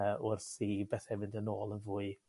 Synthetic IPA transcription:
ʊrθibɛθɛmɪndənoːlˠənvʊːɨ

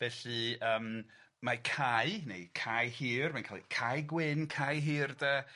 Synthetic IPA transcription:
v̥ɛːɬɨəːm | makʰajnḛjkʰajhiːrmajnkʰalˠḭkʰajɡwɪnkʰajɦiːrdɛ

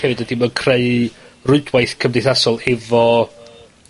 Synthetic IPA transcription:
ɛvɨdədiməkʰreɨrʊɨdwajθkʰəmdɪjθasɔlˠɛvɔ

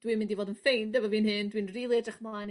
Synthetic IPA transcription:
d̥wiːmɪndivoːdənfejndəvɔviːnɦɨndwiːnriːlˠidraχmlan

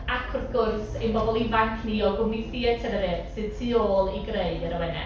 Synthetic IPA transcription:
akʰʊrθɡ̥ʊrθejnmbɔbɔlˠivaŋkʰniɔɡʊmniθiːɛtʰɛvɛɾɪrsɨð̥tʰiːoːlˠiɡreɨdəɾəwɛnɛ̰

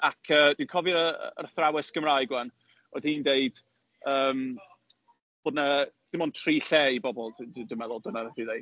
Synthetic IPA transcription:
akʰəːd̥inkʰɔvɨɾə̰ə̰rθrawɪsɡ̥əmraɨɡwɛn | oðhiːndeɨd̥ | əːm | b̥oːdnəd̥ɪmɔntʰriːɬejbɔbɔlˠdddɪmɛðʊlˠdənədiðej

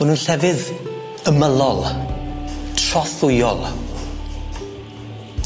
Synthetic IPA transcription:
ɔnunɬɛvɨð | əməlˠɔlˠ | tʰrɔθʊjɔ̰lˠ

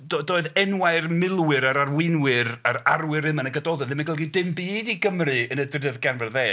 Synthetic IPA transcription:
dodoːɨðɛnwaɨrmɪlˠwɨɾaɾarwɪnwɨraɾarwɨɾɨmanəɡədɔðɛnðɪmaɡəlˠɡidɪmbiːdiɡəmrɨənədrəðɡanvɛrðeː

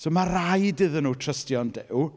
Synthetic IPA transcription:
soːmarajdɨðənuːtʰrəstjɔndɛw

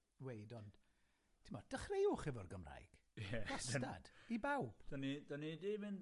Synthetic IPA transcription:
wejdɔn | tʰimɔd̥əχrejʊχɪvɔrɡəmra̰jɡ̥ | jɛ̥asta̰d̥ibawb̥d̥ənidənidiːvɨn

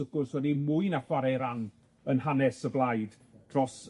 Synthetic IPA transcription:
əɡʊrswɛdimuɨnafwaɾɛɾan | ənhanɛsəblˠajd | d̥rɔs

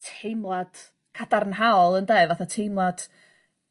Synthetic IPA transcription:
tʰejmlˠad̥ | kʰadarnɦaɔlˠəndeɨvaθatʰejmlˠad̥

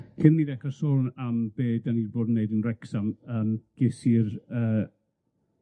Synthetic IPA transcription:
kʰɪnˠmiðɛkrasɔnambeːdanirboːdnːeɨdənrɛksaməːmɡ̥ɪsirəː

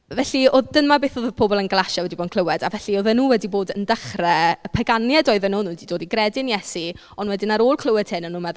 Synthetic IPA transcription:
vɛɬioðd̥ənmabeːθoðəpʰobɔlˠənɡəlˠaʃawɛdiboːdnkʰlˠəwɛdavɛɬioðənuːwɛdiboːdəndəχrɛpʰɛɡanjɛdɔːɨðənuːnuːdidoːdiɡrɛdɪnjɛsi | ɔnwɛdɪnaɾoːlˠkʰl̥ˠəwɛd̥hɪnːənːuːmɛð

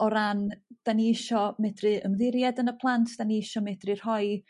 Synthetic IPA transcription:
ɔɾand̥aniɪʃɔmɛdrɨəmðɪɾjadənəpʰlˠantʰd̥aniɪʃɔmɛdrɨr̥hɔj

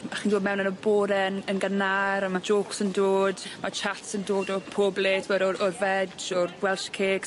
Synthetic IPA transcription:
aχiːndoːdmɛwnənəboːɾɛnənɡənaɾamad͡ʒoːksəndoːdmat͡ʃʰatsəndoːdɔpʰoːbletʰwɛdɔɔrvɛd͡ʒɔrɡwɛlˠʃkʰeːk

